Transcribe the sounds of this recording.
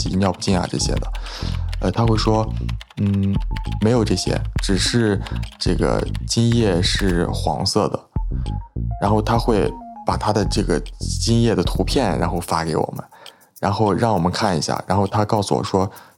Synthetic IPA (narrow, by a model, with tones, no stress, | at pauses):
i˧njɑ˥˧ʊpu˥˩t͡ɕi˥˩ŋa̰˧˩ʈ͡ʂɤ̰˥˩ɕjɛ̰˥d̪ə˨ə˧t̪ʰa˥xwe˥˩ɪʂwɔ˥ | n̩˥˩me˧˥ɪjo˨˩ʊʈ͡ʂɤ˥˩ɕjɛ̰˥ʈ͡ʂɻ̩˨˩ʂɻ̩˥˧ʈ͡ʂɤ˥˩ɡə̰˩t͡ɕi˥ŋjɛ˥˧ʂɻ̩˥˩xwɑ̰˧˥ŋsɤ˥˩d̪ə̰˩ | ɻa˧˥nxo˥˩ʊt̪ʰa˥xwe˥˩ɪpa˨˩t̪ʰa˥d̪ə˨ʈ͡ʂɤ˥˩ɡə˩t͡ɕi˥ŋjɛ˥˩d̪ə˩t̪ʰu˧˥pʰjɛ˥˩nɻa̰˧˥nxo˥˩ʊfa˥ke˧˥ɪwɔ̰˨˩mʔə̰˦n | ɻa˧˥nxo˥˧ʊɻɑ˥˩ŋwɔ˨˩mə˦nkʰa˥˩ni˧˥ɕja̰˥˩ɻa̰˧˥nxo˥˩ʊt̪ʰa˥kɑ˥˩ʊsu˥˩wɔ̰˨˩ʂwɔ˥